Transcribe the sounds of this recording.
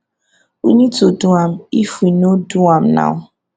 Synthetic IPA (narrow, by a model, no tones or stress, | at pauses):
unitoduam̩ifuinoduam̩na̰ʊ